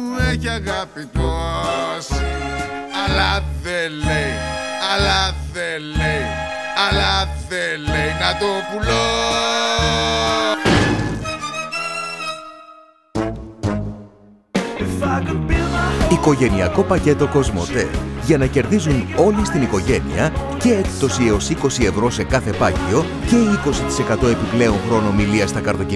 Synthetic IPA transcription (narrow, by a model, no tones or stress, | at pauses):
ecɐɣɐpit̪os | ɐlɐðelejɐlɐðelej | ɐlɐðelejnɐt̪opulo | iko̞ʝe̞niɐko̞pɐce̞t̪o̞ko̞zmo̞̰t̪e̞̰ʝɐnɐce̞ɾðizuno̞list̪iniko̞ʝe̞nḭɐce̞ekt̪o̞sieo̞siko̞sie̞vɾo̞se̞kɐθe̞pɐcio̞ | ce̞iko̞sit̪i̥sekɐt̪o̞e̞piple̞oŋxɾo̞no̞miliɐst̪ɐkɐɾðo̞c